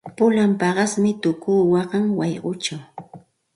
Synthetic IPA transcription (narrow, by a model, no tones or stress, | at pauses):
pʊlampɑɢɑsmɪt̪ʊkuːwɑɢɑŋwɑjɢʊt͡ʃaw